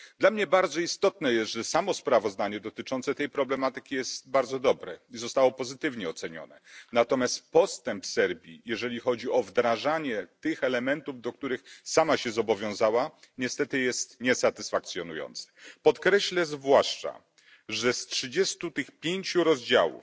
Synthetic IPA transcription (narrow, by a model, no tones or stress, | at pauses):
d̪lamɲɛbaɾd̪zɔist̪ɔt̪nɛjɛst̪ʐɛsamɔspɾavɔzd̪aɲɛd̪ɔt̪ɘt͡ʂɔnt̪sɛt̪ɛjpɾɔblɛmat̪ɘkʲijɛst̪̚baɾd̪zɔd̪ɔbɾɛizɔst̪awɔpɔzɘt̪ɘvɲɛɔt̪sɛɲɔ̰nɛnat̪ɔmʲjast̪pɔst̪ɛmpsɛɾbʲjḭjɛʐɛlʲixɔd͡ʑiɔvd̪ɾaʐaɲɛt̪ɘxɛlɛmɛnt̪uvd̪ɔk̚t̪uɾɘxsamaɕɛzɔbɔvʲjɔ̃w̃zawaɲɛst̪ɛt̪ɘjɛst̪ɲɛsat̪ɘsfak̚t̪sʲjɔnujɔ̰nt̪sɛ̥pɔt̪kɾɛɕlɛzvwaʂt͡ʂa̰ | ʐɛstʂɘd͡ʑɛst̪ut̪ɘxpʲjeɲt͡ɕuɾɔzd͡ʑa̰wṵf